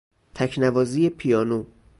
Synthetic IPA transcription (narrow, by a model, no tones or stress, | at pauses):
t̪ʰæcʰnævɒːziːjepʰijɒːno